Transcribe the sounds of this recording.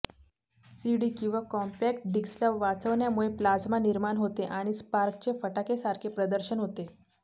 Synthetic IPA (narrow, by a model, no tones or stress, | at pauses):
siɽiːkĩw̃ʋakɔmpɛk̚ʈ̚ɖiksljaʋat͡səʋɳjamuɭeplad͡zmaniɾmaɳɦot̪eʔaɽ̃ispaɾkt͡ɕefəʈakesaɾkʰepɾəd̪əɾɕənɦot̪e